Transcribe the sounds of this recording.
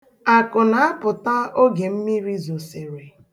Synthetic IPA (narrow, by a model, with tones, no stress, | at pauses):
a˨kʊ˨na˨a˦pʊ˨ta˦o˦ɡe˨m̩˦mi˦ɾi˦zo˨se˨ɾe˨